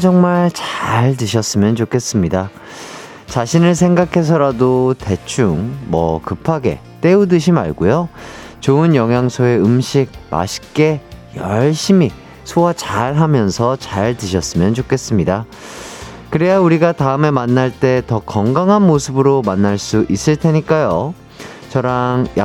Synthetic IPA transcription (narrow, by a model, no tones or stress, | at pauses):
t͡ɕʌŋmaɭt͡ɕaɭt̬ɯɕʰʌs͈ɯmjʌnt͡ɕokʰe̞s͈ɯmɲida | t͡ɕaɕʰinɯɭs̬ʰeŋɡakʰe̞s̬ʰʌɾadote̞t͡ɕʰuŋmʌ̰kɯpʰaɡe̞̰ | t͈e̞udɯɕʰima̰ɭɡojo | t͡ɕoɯnjʌŋɦjaŋsʰoe̞ɯmɕʰiɡ̚ma̰ɕʰi̥k͈e̞jʌɭɕ͈imi | sʰowat͡ɕaɭɦamjʌnsʰʌt͡ɕaɭtɯɕʰʌs͈ɯmjʌnt͡ɕokʰe̞s͈ɯmɲida | kɯɾe̞jauɾiɡataɯme̞manːaɭt͈e̞tʌkʌŋɡaŋɦanmosʰɯbɯɾomanːaɭs͈uʔis͈ɯɭtʰe̞ɲik͈ajo | t͡ɕʌɾaŋja̰